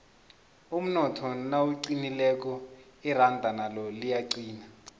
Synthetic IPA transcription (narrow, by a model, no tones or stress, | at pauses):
um̩nɔtʰɔnawuǀinilɛk̬ɔirandʱanalɔlijaǀiːna